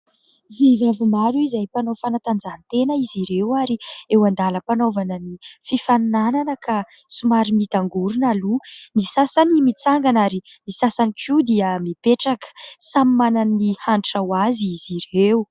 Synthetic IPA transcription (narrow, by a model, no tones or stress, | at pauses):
vivavimaɾuizajpanofanat̪and͡zant̪enəiziɾewaɾiewand̪aləpanovanənififannananəka | sumaɾimit̪aŋɡuɾunalunisasanimit͡saŋɡanaɾi | nisasanikʰud̪iəmipeʈ͡ʂakə̥samimananːihaɳʈ͡ʂawaziiziɾewu